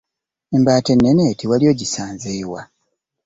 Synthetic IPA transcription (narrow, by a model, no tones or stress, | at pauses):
embaːtenːeneːtʰiwaljo̞ːɟisaːnzeːwa